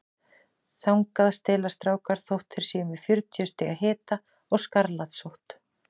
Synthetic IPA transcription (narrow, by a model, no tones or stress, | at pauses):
θawŋkaðst̪ɪːlast̪ɾaːwkaɾ̥θowht̪ʰːɪɾ̥sɪːmʏfjʏɾt̪ʰjœst̪ɪːɣaɦɪːt̪a | ɔɣskaɾlaðsowht̪